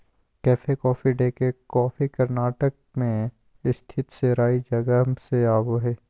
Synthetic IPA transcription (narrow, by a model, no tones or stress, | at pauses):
kɛːfekɔːfiɖekekɔːfikɐɾnaːʈək̚ | mẽ | ɪst̪ʰɪt̪seɾaːid͡ʒɐɡəmseaːboɦɛː